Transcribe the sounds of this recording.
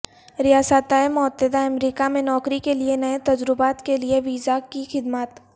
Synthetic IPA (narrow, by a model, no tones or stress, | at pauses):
ɾɪjaːsət̪aemʊət̪ːəd̪aɐmɾiːkamẽnɔːkɾikelienɐet̪ɐd͡ʒɾɪbaːt̪kelieʋiːzakixɪd̪məːt̪